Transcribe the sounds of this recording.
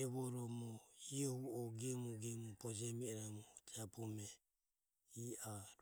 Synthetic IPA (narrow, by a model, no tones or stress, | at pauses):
ɛβɔɾɔmɔiɔhuɔɡɛmuɡɛmupɔd͡ʒɛmiɛɾamɔt̪ʰɛapɔmɛ | iaɾ